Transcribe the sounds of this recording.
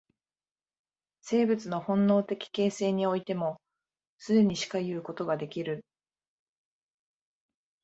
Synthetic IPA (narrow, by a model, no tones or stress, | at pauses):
se̞ːbɯ̟t͡sɨno̞hõ̞nːo̞ːt̪e̞kʲi̥ke̞ːse̞ːɲ̟io̞it̪e̞mo̞ | sɨd̪e̞ɲ̟iɕi̥kajɯ̟ːko̞t̪o̞ɡad̪e̞kʲiɾɯ̟